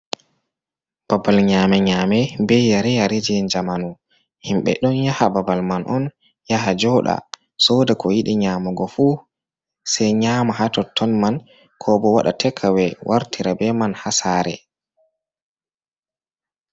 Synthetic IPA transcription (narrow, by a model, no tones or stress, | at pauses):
b̥abalɲamɛɲamɛbɛjaɾɛjaɾed͡ʒɛnd͡ʒamanu | himɓɛ̰ɗɔnjahababalmanʔɔn | jahad͡ʒɔɗa̰ | sɔdakɔjiɗiɲamɔɡɔfu | sɛjɲamaɦatɔtʰːɔnman | kʰɔbɔwaɗa̰tʰɛkʰːawɛwʔaɾtʰiɾabɛmanhasaɾɛ